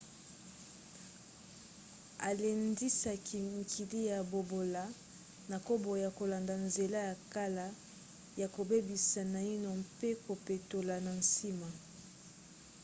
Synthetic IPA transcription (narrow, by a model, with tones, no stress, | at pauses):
a˨le˨ndi˦sa˨ki˨ŋ˨kʰi˨li˦ja˨bo˨bo˨la˨ | na˨ko˦bo˨ja˨ko˨la˨nda˨nze˨la˦ja˨ka˦la˦ | ja˨ko˨be˦bi˨sa˨na˨i˦no˨mpe˦ko˨pe˨to˨la˨na˨nsi˦ma˨